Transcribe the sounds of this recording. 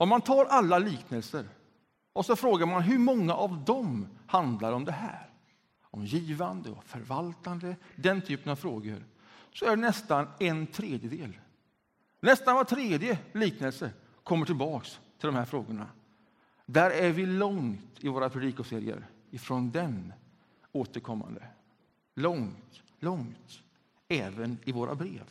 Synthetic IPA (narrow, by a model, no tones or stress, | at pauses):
ɔmant̪ʰɑːɾʔalːaliːknəlsəɾ | ɔsɔfɾoːɡaɾmanɦɵɾmɔŋːaʔavd̪ɔmhand̪laɾɔmd̪ɛɦæ̰ːɾ | ɔmjiːvand̪əɔ̰fœɾvalt̪and̪əd̪ɛnt̪ʰyːpənavfɾoːɡə̰ɾ | sɔæɖɛnɛst̪anɛnt̪ʰɾeːd̪jəd̪ḛːl | nɛst̪anvat̪ʰɾeːd̪jəliːknəlsə | kʰɔmːəʈʰɪlbɑːkst̪ʰɪlɔmhæɾfɾoːɡəɳa̰ | d̪æɾæɾvɪlɔŋt̪ɪvoːɾapʰɾɛd̪iːkʊseːɾɪ̰ə̰ɾ | ɪfɾɔnd̪ɛn | oːt̪əɾkʰɔmːa̰nd̪ə̰ | lɔŋt̪ | lɔŋt̪ | ɛːvənɪvoːɾʔa̰bɾḛːv